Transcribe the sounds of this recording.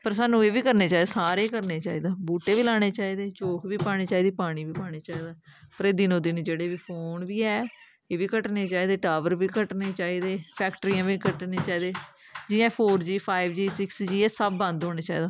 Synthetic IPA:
pəɾsaːnːũːeːʋiːkəɾneːt͡ʃaːiːd̪asaːɾeːkəɾneːt͡ʃaːiːd̪aːbuːʈeːʋiːlaːɽ̃eːt͡ʃaːiːd̪eːt͡ʃoːkʰʋiːpaːɽeːt͡ʃaːiːd̪eːpaːɽ̃iːʋiːpaːɽ̃eːt͡ʃaːiːd̪aːpəɾeːd̪inõːd̪ɪnd͡ʒeːɽeːʋiːpʰoːnʋiːɛː | eːʋiːkəʈneːt͡ʃaːiːd̪eːʈaːʋəɾʋiːkəʈneːt͡ʃaːiːd̪eːpʰɛːkʈəɾiːãːʋikəʈneːt͡ʃaːiːd̪eː | d͡ʒɪjãːpʰoːɾd͡ʒiːpʰaːibd͡ʒiːsɪksd͡ʒiːɛːsəbːə̃nd̪ɦoːneːt͡ʃaːiːd̪aː

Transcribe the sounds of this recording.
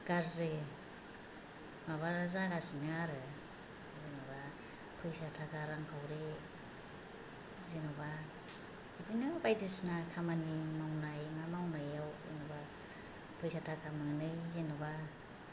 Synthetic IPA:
ɡ̥azi | maβazaɡasinɯaɾɯ | zinuβa | pʰɯjsatʰakaɾaŋkʰawɾi | zinuβa | idinɯbajdisnakʰamanimawnajmamawnajawḭnuba | pʰɯjsatʰakʰamɯŋnɯzinɯβa

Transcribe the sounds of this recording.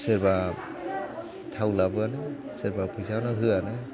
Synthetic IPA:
seɾba | tʰawlabɯanɯ | seɾbapʰɯjsanɔɦɯanɯ

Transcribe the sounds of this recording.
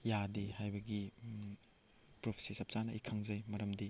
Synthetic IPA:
jadihajbɐɡi | pɾopʰi̥sisɐp̚sanɐikʰaŋzɐjmɐɾɐmdi

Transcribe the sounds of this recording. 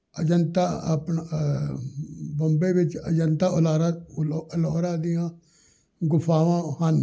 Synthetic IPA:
əd͡ʒənt̪aːə̰pn | bəmbeːʋɪt͡ʃə̰d͡ʒənt̪aːəlaːɾaəloːɾãːd̪ɪjãː | ɡʊpʰaːʋãːhən

